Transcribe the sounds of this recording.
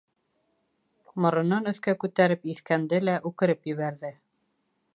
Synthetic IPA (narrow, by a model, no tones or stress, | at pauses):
mŏɾɤ̆nɤnɵ̆θkækʉt̪æɾɘpiθkænd̪ɘlæʔʉkɘ̆ɾɘpjɘ̆βæɾðɘ